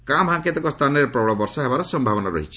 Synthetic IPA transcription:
kamɦãŋket̪ɔkɔst̪ʰaneɾepɾɔɭɔbɔɾsɔɦebaɾɔsɔmbʱabɔnaɾɔ̰ɦit͡ʃʰi̥

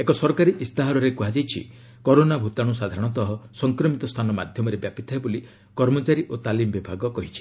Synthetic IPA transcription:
ekɔsɔɾkaɾiʔist̪aɦaɾɔɾekuɦad͡ʒajt͡ʃʰḭ | kɔɾonabʱut̪aɽ̃usad̪ʱaɾɔɽ̃ɔt̪ɔɦɔsɔŋkɾɔmit̪ɔst̪ʰanɔmad̪ʱjɔmɔɾebjapit̪ʰaɦeboli | kɔɾmɔt͡ʃaɾiʔot̪alimɔbibʱaɡɔkɔɦit͡ʃʰi̥

